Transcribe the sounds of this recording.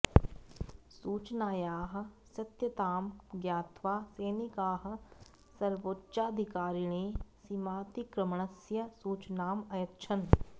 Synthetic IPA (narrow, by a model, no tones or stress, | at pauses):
suːt͡ʃnaːjaːɦ̆ | sɐt̪jət̪aːmɡjaːt̪ʰʋaːseːnikaːɦ | sɐɾʋoːtːʃaːd̪ʱɪkaːɾiɽ̃eːsimaːt̪ikɾəmɳ̃əsjəsuːt͡ʃnaːmɐjɐtt͡ʃʰən